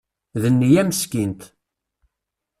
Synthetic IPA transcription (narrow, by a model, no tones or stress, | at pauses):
ðənːijæməskint̪